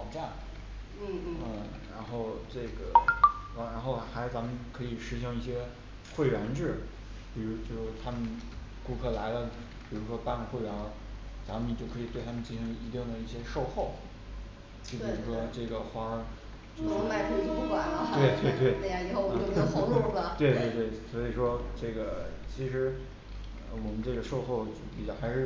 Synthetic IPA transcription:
ɑ˨˩ʊʈ͡ʂa˥˩n | n̩˥˩˥ə˥˩ɻa˧˥nxo˥˧ʊʈ͡ʂɤ˥˩ɡə˩˧˥ | ɻa˧˥nxo˥˩ʊxa˧˥ɪt͡sa˧˥mə˨nkʰɤ˧˥i˨˩ʂɻ̩˧˥ɕ̬jɑ˥˧ŋi˥˩ɕjɛ˥ | xwe˥˩ɪɥɛ˧˥nʈ͡ʂɻ̩˥˩ | pi˨˩ɻu˧˥t͡ɕjo˥˧ʊɔ˥t̪ʰa˥mə˨n | ku˥˧kʰɤ˥˩la˧˥ɪlə˧ | pi˨˩ɻu˧˥ʂwɔ˥pa˥˧n˩xwe˥˩ɪɥɛ˧˥n | t͡sa˧˥mə˨t͡ɕjo˥˩ʊkʰɤ˧˥i˨˩t̪we˥˩t̪ʰa˥mə˨nt͡ɕi˥˩ʂi˧˥ŋ˧i˧˥t̪i˥˩d̪ə˩i˥˩ɕjɛ˥ʂo˥˧ʊxo˥˩ʊ | t͡ɕjo˥˩ʊpi˨˩u˧˥ʂwɔ˥ʈ͡ʂɤ˥˩ɡə˩xwa˥˧˥ | t͡ɕo˥˩ɔ˥ma˥˩ɪkʰwe˥˧t͡ɕo˥˩wa˨˩˦lə˧t̪we˥˩ɪt̪we˥˧ɪt̪we˥˩ɪ˥˧˥i˨˩xo˥˧˩ə˥u˥˩ə˩t̪we˥˧ɪt̪we˥˧ɪt̪we˥˩ɪswɔ˧˥i˨˩ʂwɔ˥ʈ͡ʂɤ˥˩ɡə˩t͡ɕʰi˧˥ʂɻ̩˧˥ | ɔwɔ˨˩mə˦nʈ͡ʂɤ˥˩ɡə˩ʂo˥˧ʊxo˥˧ʊt͡ɕjo˥˩pi˨˩t͡ɕjɑ˥˩xa˧˥ɪʂɻ̩˥˩

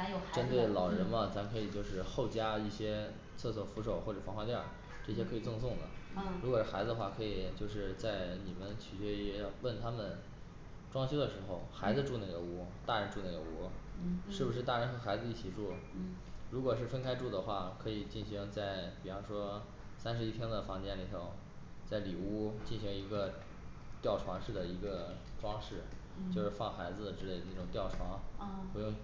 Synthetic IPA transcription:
a˧˥ɪjo˨˩ʈ͡ʂə˥nt̪we˥˩ɪlɑ˨˩ʊɻə˧˥nmɐ˧t͡sʰa˧˥mkʰɤ˧˥i˨˩t͡ɕjo˥˧ʊʂɻ̩˥˧xo˥˩ʊt͡ɕja˥i˥˩ɕjɛ˥ | t͡sʰɤ˥˧sʰwɔ˥˩fu˧˥ʂ̬o˨˩ʊxwɔ˥˩ʈ͡ʂɤ˨˩fɑ˧˥ŋxwa˥t̪jɑ˥˩ʊ | ʈ͡ʂɤ˥˩ɕ̬jɛ˥kʰɤ˧˥i˨˩t͡sʊ˥˧ŋsʊ˥˩ŋd̪ə̰˩ɻu˧˥kwɔ˨˩˥xa˧˥d͡zɹ̩˧ə˧xwa˥˩kʰɤ˧˥i˨˩t͡ɕjo˥˧ʊʂ̬ɻ̩˥˧t͡sa˥˩ɪni˨˩mə˦nt͡ɕʰy˨˩ɕɥɛ˥˧˥wə˥˩nt̪ʰa˥mə˨n | ʈ͡ʂwɑ˥ŋɕʰjo˥ʊd̪ə˨˩ʂɻ̩˧˥xo˧ʊxa˧˥ɪd͡zɹ̩˧ʈ͡ʂu˥˧na˥˩ɡə˩wu˧˥t̪a˥˩ɻə˧˥nʈ͡ʂu˥˧na˥˩ɡə̰˩wu˧˥ʂɻ̩˥˩bu˩ʂɻ̩˥˧t̪a˥˩ɻə˧˥nxɤ˧˥xa˧˥ɪd͡zɹ̩˧i˥˩t͡ɕʰi˨˩ʈ͡ʂu˥˩ | ɻu˧˥kwɔ˨˩ʂɻ̩˥˩fə˥nkʰa˥ɪʈ͡ʂu˥˩d̪ə˩xwa˥˩kʰɤ˧˥i˨˩t͡ɕi˥˩nɕi˧˥ŋt͡sa˥˩ɪpi˨˩ɑ˧˥ʂwɔ˥ | sa˥nʂɻ̩˧˥i˥p̪ʰjɛ˥nd̪ə˨fɑ˧˥ŋt͡ɕjɛ˥˩nli˨˩t̪ʰo˧˩ʊ | t͡sa˥˩ɪli˨˩u˥t͡ɕi˥˩nɕi˧˥ŋi˧˥ɡə˧ | t̪jɑ˥˩ʊʈ͡ʂʰwɑ˧˥ŋʂɻ̩˥˩d̪ə˩i˧˥ɡə˧ʈ͡ʂwɑ˥ŋʂɻ̩˥˩ | t͡ɕjo˥˧ʊʂɻ̩˥˧fɑ˥˩ŋxa˧˥ɪd͡zɹ̩˧d̪ə˨˩ʈ͡ʂɻ̩˥˧le˥˧ɪ˩n˥˩ʈ͡ʂʊ˨˩ŋt̪jɑ˥˩ʊʈ͡ʂʰwɑ˧˥ŋxwe˧˥ɪʊ˥˩ŋ

